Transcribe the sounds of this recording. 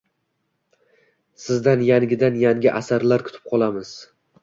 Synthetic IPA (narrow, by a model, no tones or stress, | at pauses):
sɪzd̪anjaŋɡʲɪd̪anjaŋʲɪʔasaɾlaɾkʰʊ̥t̪ʰɪ̥p̚qʰɒlˠamɪz̥